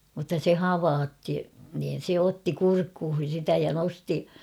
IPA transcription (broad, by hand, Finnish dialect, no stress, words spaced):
mutːɑ se hɑʋɑːtːi niːn̞ se otːi kurkːuːhin̞ sitæ jɑ nosti